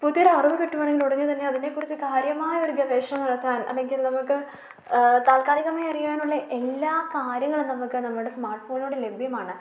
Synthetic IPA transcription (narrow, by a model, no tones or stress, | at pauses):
puðijɐɾeɐruʋɐkiʈːuʋaɳːeŋɡiluɽɐɲːɨt̪ɐnːe̞ɐðine̞kːurit͡ɕːɨkaːɾjɐmaːjɐo̞ɾuɡɐʋeːʂɐmnɐɽɐt̪ːaːnɐ̰lːe̞ŋɡilnɐmukːɨ | t̪aːlkaːliɣɐmaːjɐrijaːnuɭːɐʔe̞lːaːkaːɾjɐŋːɐɭnɐmukːɨnɐmːɐɭuɽesmaːrʈfo̞ːnoːɽele̞bʱjɐmaːɳɨ